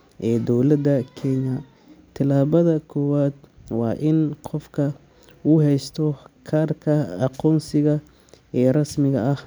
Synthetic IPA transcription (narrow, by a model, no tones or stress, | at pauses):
ʔɛːd̪ɔwlɐd̪ɐkʰɛɲɐ | t̪ʰɪlaːβɐðɐkʰɔːwaːd̪wɑ̰ːʔɪnqɔfkʰɐ | uːɦɛjst̪ʰɔkʰaːrkʰɐɑqɔːnsɪɣɐ | ɛːrɐsmɪɣɐʔɐh